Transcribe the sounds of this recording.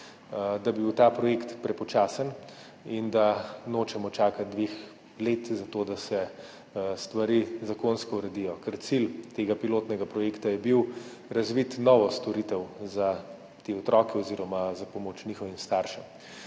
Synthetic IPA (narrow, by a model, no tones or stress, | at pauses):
d̪abiwt̪aːpɾɔjekt̪pɾɛpɔt͡ʃaːsən | ind̪anoːt͡ʃɛmɔt͡ʃaːkat̪̚d̪ʋex | leːt̪zat̪oːd̪asɛ | st̪ʋaɾizakonskɔuɾɛd̪ijɔkɛɾt̪silt̪eːɡapiloːt̪nɛɡapɾɔjekt̪ajɛbiw | ɾɐzʋit̪nɔːʋɔst̪ɔɾit̪ɛwza | t̪eːɔt̪ɾɔːkɛɔziːɾɔmazapɔmoːt͡ʃniːxɔʋimst̪aɾʃɛm